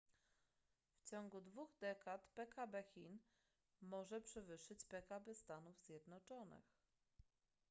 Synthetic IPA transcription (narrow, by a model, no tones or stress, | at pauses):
ft͡ɕɔŋɡud̪vuɣd̪ɛkat̪pɛkabɛxʲin | mɔʐɛpʂɛvɘʂːɘt͡ɕpɛkabɛst̪anuvz̥ʲjɛd̪nɔt͡ʂɔnɘ̰x